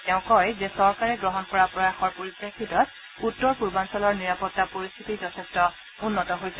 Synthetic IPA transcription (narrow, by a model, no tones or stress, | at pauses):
tɛʊ̃kɔjzɛsɔɹkaɹɛɡɹɔɦɔnpɔɹapɹɔjaxɔɹpoɹipɹekʰːitɔt̚ | utːɔɹpuɹbansɔlɔɹniɹapɔtːapoɹist̪ʰitizɔtʰɛstɔ | unːɔtɔɦojsɛ